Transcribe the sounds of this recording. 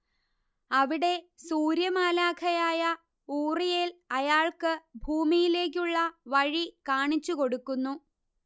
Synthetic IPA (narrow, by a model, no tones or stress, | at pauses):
ɐʋiɽe̞ | suːɾjɐmaːlaːkʰɐjaːjɐ | uːrijelɐjaːɭkɨbʱuːmijile̞ːk̬ʲːuɭːɐʋɐɻikaːɳit͡ɕːuko̞ɽukːunːu